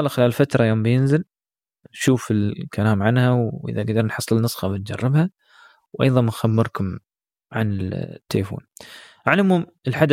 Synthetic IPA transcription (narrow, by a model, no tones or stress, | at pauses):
laxɪlaːlfat̪ɾˤɑjoːmbɪjɪnzɪl | ʃuːfɪlkalaːmʕanhawʔɪ̰ðaɡd̪ɑɾˤnħɑsˤːɨlnɨsˤxɑbɪn̚d͡ʒɑrˤːɪbha | wʔɑjðˤɑnmɪxamːɪɾˤkʊm | ʕanɪt̪ːalfo̰ːn | ʕalɪmhʊm | ɪlħad̪